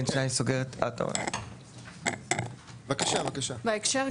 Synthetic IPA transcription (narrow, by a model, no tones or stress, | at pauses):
nʃnajsoɡeʁet̪ʰa̰t̪o̰n | vakaʃavakaʃavaekʃaʁ